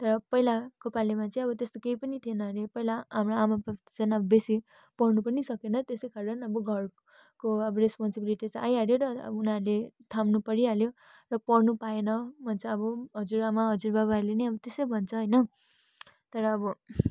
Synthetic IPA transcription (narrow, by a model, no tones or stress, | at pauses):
t̪ʌɾʌpʌijlakopalemat͡sʌĩʌβʌt̪est̪okeipʌnit̪ʰienʌɾepʌjlaɦamraamap̪t͡sʌnʌbʌbesi | pʌrnupʌnisʌkenʌt̪esekaɾʌnʌbʌɡʱʌr | koʌbʌɾespɔnsibiliʈit͡sajaɾjoɾʌ̰ʌunaɾlet̪ʰamnupʌɾialjo | rʌpʌɽnupaenʌbʱʌnt͡sʰʌːbʌɦʌd͡zuɾamaɦʌd͡zurbaβaɾleniʌbʌt̪esʌjbʱʌnt͡sʰʌɦʌjnʌ | t̪ʌɾʌːbʌ